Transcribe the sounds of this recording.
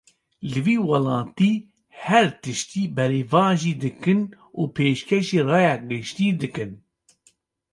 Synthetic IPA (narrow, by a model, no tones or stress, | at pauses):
lɨviːwɑlɑːt̪iː | hɛɾt̪ɨʃt̪iːbɛɾeːvɑːʒiːd̪ɨkɨn | uːpʰeːʃkʰɛʃeːrɑːjɑːɡɨʃt̪iːd̪ɨkɨn